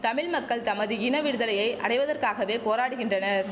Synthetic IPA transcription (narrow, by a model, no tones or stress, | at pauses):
t̪ɐmɪɭmɐkːɐɭt̪ɐmɐðɯɪnɐʋɪɽɯðɐlɐjɐɪʔɐ̰ɽɐɪʋɐðɐrkaːɣɐʋeːpoːɾaːɽɯɣɪndrɐnɐɾ